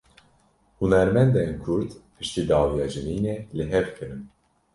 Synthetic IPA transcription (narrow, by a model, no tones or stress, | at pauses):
hunɛɾmɛnd̪ɛnkʰʊɾd̪pʰɨʃt̪iːd̪ɑːwijɑːʒɨniːnɛlɨɦɛvkʰɨɾɨn